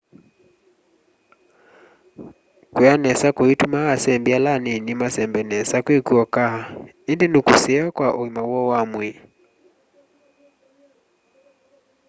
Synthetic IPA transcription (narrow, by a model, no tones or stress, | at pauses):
kuanɛsakuitumaasɛmbialaninimasɛmbɛnɛsakwikuɔkaha | indinukusɛakwaʔuimawɔwamwi